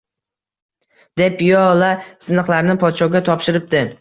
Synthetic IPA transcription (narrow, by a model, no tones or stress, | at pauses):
d̪e̞pjɒlasɪnɨχlˠaɾnɪpʰɒt̪ʃɒɡʲat̪ʰɒpʃɪɾɪp̚d̪ɪ